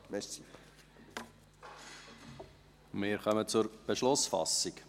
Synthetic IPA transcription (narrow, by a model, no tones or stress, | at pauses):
mɛs | mɪːɾχœmət͡sʊɾb̥əʃlʊsfɑ̰sːik